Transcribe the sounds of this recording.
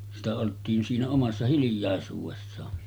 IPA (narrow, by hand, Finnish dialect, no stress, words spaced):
sitæ oltˑiːn siːnæ omɑsːɑ hilĭjˑɑˑesuːʋesːɑː